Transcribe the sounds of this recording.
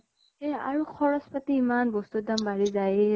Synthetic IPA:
ɛa̰ɹuxʰɔɹɔspatiːmanbɔstudambaɹizaj

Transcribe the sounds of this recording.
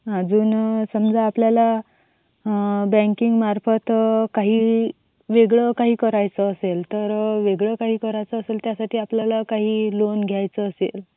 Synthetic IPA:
ad͡zuːnsəmd͡zaːpljala | bɛ̃ŋkiŋɡmaɾfət̪kaɦiː | ʋeɡɭəkaɦiːkəɾajt͡səːselt̪əɾʋeɡɭəkaɦiːkəɾajt͡səəselt̪jasaʈʰiːapljalakaɦiːlonɡʱjajt͡səːsḛl

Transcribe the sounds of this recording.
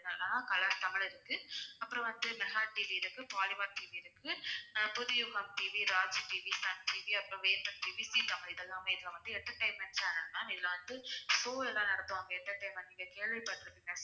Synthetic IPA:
nɐlːãːnakɐlaːɾt̪ɐmɪɭɪɾɯkːɯɐpːɯɾɔ̃ʋɐnd̪ɯmɛɣaːʈiːʋiɪɾɯkːɯpaːlɪʋɐːɾʈiːʋiɪɾɯkːɯpʊðʊjʊɣɐmʈiːʋiɾaːd͡ʒʈiːʋisɐnʈiːʋiɐpːɯɾɔ̃ʋeːnd̪ɐmʈiːʋisit̪ɐmɪɭɪðɛlːãːmeɪðɐlɐ̃ʋɐnd̪ɯɛʈːɐʈːɐɪmːɐnt͡ʃaːnɐɾnãːɪðɪlːɐʋɐnd̪ɯsoːɛlːãːnɐɾɐt̪ːõːɐŋɡeɛnd̪ɐʈːɐɪmʋɐnd̪ɯɪŋɡɐkeːɭʋɪpɐʈːɪɾɯpːɪnːɐs

